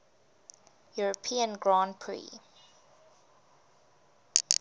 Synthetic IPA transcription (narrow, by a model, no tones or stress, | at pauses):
juɹəpʰiə̃nɡɹãnpʰɹḭ